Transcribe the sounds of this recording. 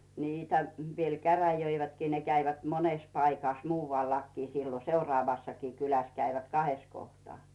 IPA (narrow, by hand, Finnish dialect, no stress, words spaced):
niːtæ ʋiel kæræjøiʋætkiː ne kæiʋæt moneˑs pɑikɑˑh muːʋɑliɑkːi siːlo seurŏɑˑʋɑsːɑkiː kylæs kæiʋæt kɑhes kohtŏɑˑ